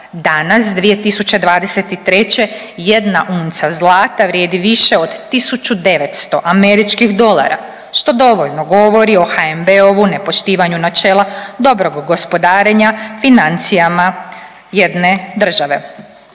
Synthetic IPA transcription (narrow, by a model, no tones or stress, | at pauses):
d̪anasd̪ʋije̞t̪isut͡ɕed̪ʋaːd̪e̞se̞t̪it̪ɾe̞t͡ɕe̞ | jed̪naʔuːnt̪sazlˠaːt̪aʋɾjeːd̪iʋiʃe̞od̪ːisut͡ʃud̪e̞ʋe̞t̪st̪o̞ʔame̞ɾit͡ʃkixd̪o̞lˠa̰ɾa̰ | ʃt̪o̞d̪o̞ʋo̞ʎnoɡo̞ʋo̞ɾio̞xaembeoʋune̞po̞ʃt̪iːʋaɲunat͡ʃeːlˠad̪o̞bɾo̞ɡːo̞spo̞d̪aːɾe̞ɲafinant̪sijama | je̞d̪ne̞d̪r̩ʒaʋe̞